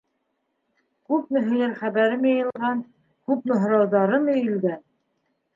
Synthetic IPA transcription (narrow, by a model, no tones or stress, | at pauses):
kʉp̚nɘ̆ɦɵ̆jæɾχæβæɾɘmjɤjɤ̆lˠʁɑn | kʉpnŏɦ̆ɾɑwðɑɾɤmɵ̆jɘ̆lɡæn